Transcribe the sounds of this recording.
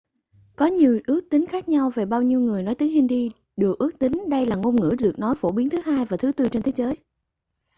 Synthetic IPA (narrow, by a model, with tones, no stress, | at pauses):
kɔ˨˦ɲi˨˩əwʔɨ˦˥ək̚t̪ï˨˦ŋ̟xaː˦˥k̚ɲa˧wve˨˩ɓaː˧wɲi˧wŋɨ˨˩əjnɔ˨˦jt̪ɨ˨˦hi˧ŋ̟ɗi˧ | ɗɨ˨˩ək̚ʔɨ˦˥ək̚t̪ï˨˦ŋ̟ɗə˧jlaː˨˩ŋo˧nŋɨ̰˧˥ɗɨ˨˩ək̚nɔ˨˦jfo˧˩ɓi˨˦ənt̪ʰɨ˨˦ɦaː˧jvaː˨˩t̪ʰɨ˨˦t̪ɨ˧t͡ɕe˧nt̪ʰe˨˦zəː˨˦j